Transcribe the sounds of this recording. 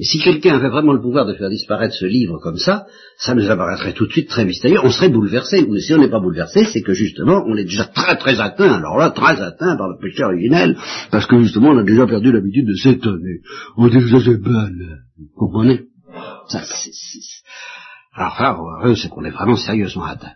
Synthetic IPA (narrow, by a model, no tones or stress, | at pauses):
ɛsikʲɛlkʲɛ̃avɛvʁɛmɑ̃ləpuvwaʁd̪əfɛʁd̪ispaʁɛt̪χə̥səlivʁəkɔmsa | sanuzapaʁɛt̪χɛt̪ut̪əsɥit̪ːχɛmist̪eʁjøɔ̃səʁɛbulvɛʁseusiɔ̃nɛpabulvɛʁsesɛkəʒyst̪əmɑ̃ʔɔ̃nɛd̪eʒat̪χɛt̪χɛzat̪ɛ̃alɔ̰ʁlat̪χɛzat̪ɛ̃paʁləpeʃɛɔʁiʒinɛlpaʁsə̥kəʒyst̪əmɑ̃ɔ̃nad̪eʒapɛʁd̪ylabit̪yd̪̚ːəsɛt̪ɔneɔ̃d̪ikəsasɛbɛl | kũmɔ̃nɛ | sa̰sɛ̥sɛ̥ | alɔ̰ʁsaaʁøsɛkɔ̃lɛvʁɛmɑ̃seʁjøzmɑ̃a̰t̪ɛ̃